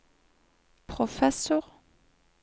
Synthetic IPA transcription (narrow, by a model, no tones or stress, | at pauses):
pχɔfɛsœʁ